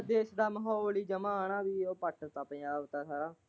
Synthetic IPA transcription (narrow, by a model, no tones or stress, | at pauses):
d̪eːsɖaːməɦoːliːd͡ʒəmãːnãːbiːoːpəʈʰət̪ãːpəaːbt̪aːsaːɾaː